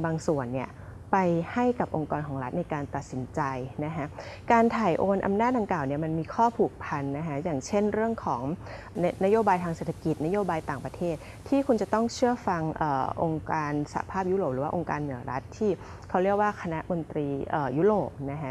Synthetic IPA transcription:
baː˧ŋsu˨˩ənːi˥˩ə | pa˧jha˥˩jka˨˩p̚ʔo˧ŋkɔː˧nkʰɔː˩˦ŋɾa˦˥t̪̚na˧jkaː˧nt̪a˨˩t̪̚si˩˦nt͡ɕa˧jna˦˥kʰa˦˥ʔkaː˧nt̪ʰaː˨˩jʔoː˧nʔa̰˧mnaː˥˩t̪̚da˧ŋklaː˨˩wni˥˩ɐma˧nmiː˧kʰɔː˥˩pʰuː˨˩k̚pʰa˧nːa˦˥kʰa˦˥jaː˨˩ŋt͡ɕʰe˥˩nɾɯ˥˩əŋkʰɔː˩˦ŋ | nna˦˥joː˧baː˧jt̪ʰaː˧ŋseː˨˩t̪ʰa˧ki˨˩t̪̚na˦˥joː˧baː˧jt̪aː˨˩ŋpɾa˧t̪ʰeː˥˩t̪̚ʰːiː˥˩kʰu˧nt͡ɕa˨˩t̪ɔ˥˩ŋt͡ɕʰɯ˥˩əfa˧ŋʔəː˨˩ʔo˧ŋkaː˧nsa̰˧˩a̰˧pʰaː˥˩p̚ju˦˥ɾoː˨˩p̚ɾɯː˩˦waː˥ʔo˧ŋkaː˧nːɯ˨˩˦ɐɾa˦˥t̪ʰːiː˥˩ | kʰa˦˥wɾi˥˩ək̚waː˥˩kʰa˧na˦˥mo˧nt̪ɾiː˧ʔəː˨˩ju˦˥ɾoː˨˩p̚na˦˥kʰa˦˥

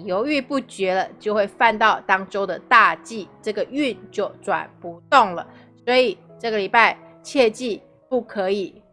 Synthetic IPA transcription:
jo˧˥ʊy˥˧pu˥˩t͡ɕɥɛ˧˥lə˧t͡ɕjo˥˧xwe˥˧ɪfa˥˧nt̪ɑ˥˩ʊt̪ɑ˥ŋʈ͡ʂo˥ʊd̪ə˨t̪a˥˧t͡ɕi˥˩ʈ͡ʂɤ˥˩ɡə˩y˥˧nt͡ɕjo˥˩ʊʈ͡ʂwa̰˨˩npu˧˥t̪ʊ˥˩ŋlə̰˩ | swɔ˧˥i˨˩ | ʈ͡ʂɤ˥˩ɡə˨˩li˨˩pa˥˧ɪ | t͡ɕʰjɛ˥˧t͡ɕi˥˧ | pu˥˩kʰɤ˧˥i˨˩˦

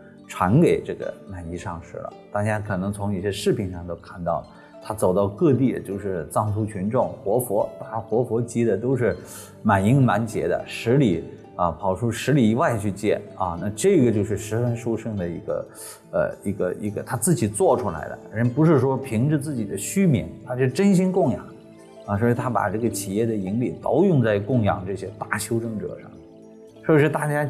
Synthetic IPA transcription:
ʈ͡ʂʰwa˧˥nke˨˩ɪʈ͡ʂɤ˥˩ɡə̰˩ma˨˩ni˥˧ʂɑ˥˧ŋʂɻ̩˥˩lə̰˩t̪a˥˧˩t͡ɕja˥kʰɤ˨˩nɤ˧˥ŋt͡sʰʊ˧˥ŋi˧˥˩ɕjɛ˥ʂɻ̩˥˩pʰi˧˥nʂɑ˥˧ŋt̪o˥ʊkʰa˥˩nt̪ɑ˥˩ʊlə˩ | t̪ʰa˥t͡so˨˩ʊt̪ɑ˥˧ʊkɤ˥˧t̪̬i˥˩t͡ɕjo˥˧ʊʂɻ̩˥˧t͡sɑ˥˩ŋt͡sʰu˥t͡ɕʰy˧˥nʈ͡ʂʊ˥˩ŋxwɔ˧˥fwɔ˧˥˩xwɔ˧˥fwɔ˧˥t͡ɕi˧˥d̪ə˨t̪̬o˥ʊʂɻ̩˥˩ | ma˨˩ni˥ŋma˧˥nt͡ɕjɛ̰˧˥d̪ə̰˧ʂɻ̩˧˥li˨˩˦ | ə˧pʰɑ˨˩ʊʈ͡ʂʰu˥ʂɻ̩˧˥li˨˩i˧˥wa˥˧ɪt͡ɕʰy˥˧t͡ɕjɛ̰˥˩nɐ̰˥˧na˥˧ʈ͡ʂɤ˥˩˧ɡə˩t͡ɕjo˥˧ʊʂ̬ɻ̩˥˩ʂɻ̩˧˥fə˧˥nʂu˥ʊʂɤ˥˧ŋd̪ə˩i˧˥ɡə̰˧ | ə̰˧i˧˥ɡə̰˧i˧˥ɡə˧t̪ʰa˥t͡sɹ̩˥˩t͡ɕi˨˩t͡swɔ˥˩ʈ͡ʂʰu˥la̰˧˥ɪd̪ə̰˧˩ɻə˧˥npu˧˥ʂ̬ɻ̩˥˩ʂwɔ˥pʰi˧˥ŋʈ͡ʂɻ̩˥˧t͡sɹ̩˥˩t͡ɕi˨˩d̪ə˦ɕy˥mjɛ̰˧˥nt̪ʰa˥t͡ɕʈ͡ʂə˥nɕi˥nkʊ˥˩ŋjɑ̰˨˩˦ŋ | ə˧˩swɔ˧˥i˧˩t̪ʰa˥pa̰˨˩ʈ͡ʂɤ˥˩ɡə˩t͡ɕʰi˨˩jɛ˥˩d̪ə˩i˧˥ŋli˨˩t̪ɑ˥ʊjʊ˥˧ŋt͡sa˥˧ɪkʊ˥˩ŋjɑ̰˨˩ŋʈ͡ʂɤ˥˩ɕjɛ˥t̪a˥˩ɕʰjo˥ʊʈ͡ʂɤ˥˩ŋʈ͡ʂɤ̰˨˩ʂɑ̰˥˩ŋ | ʂwɔ˥˩˧ʂɻ̩˥˧t̪a˥˩t͡ɕja˥

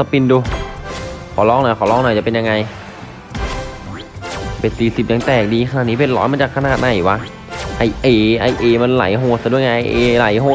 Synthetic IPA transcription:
a˧pi˧nduː˧ | kʰɔː˨˩˦lɔː˧˥˩ŋna˧˩kʰɔː˩˦lɔː˥˩ŋnɔː˧˩t͡ɕa˨˩pe˧nja˧ŋa˧j | pe˧˩nsiː˨˩si˨˩p̚ja˧ŋt̪ɛː˨˩k̚diː˧xʰa˧naː˨˩t̪niː˦˥pe˧˩lɔ̰ː˦nma˧˥˩t͡ɕaː˨˩kʰːnaː˨˩t̪̚na˨˩jwa˦˥ | ʔa˧˩jʔeː˧˩ʔa˧˩jʔeː˧ma˧nla̰˨˩˦jɦoː˧˩t̪̚sa˧du˥˩əŋaː˧˩ʔa˧jʔeː˧la̰˨˩˦jɦoː˧˩

